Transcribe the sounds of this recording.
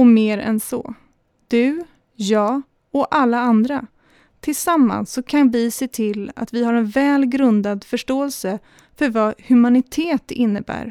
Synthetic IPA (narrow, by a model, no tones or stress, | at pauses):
ɔmeːɾɛ̰nsɔ̰ | d̪̥ɵ | jɑː | ɔʔalːaand̪ɾa | t̪ʰɪlsamːa̰nsːɔkʰanvɪseːt̪ʰɪlːa̰t̪vɪɦaɾɛnvɛːlɡɾɵnd̪ad̪fœʂʈoːɛlsə | fœɾvahɵmanɪt̪ʰeːt̪ɪnːəbæ̰ːɾ